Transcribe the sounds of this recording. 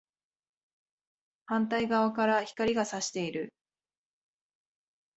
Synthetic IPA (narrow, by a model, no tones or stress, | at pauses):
hãnt̪aiɡaβakaɾaçi̥kaɾʲiɡasaɕi̥t̪e̞iɾɯ̟